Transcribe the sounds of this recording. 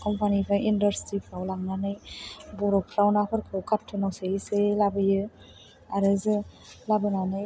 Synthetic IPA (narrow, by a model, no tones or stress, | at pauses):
kɔmpanipʰajindaɾstɾipʰɾawlaŋnanɯjbɔɾɔpʰɾawnapʰɯɾkʰɯwkʰap̚tʰːɯnawseiselabɯjɯ | aɾɯzɯ | labɯnanɯj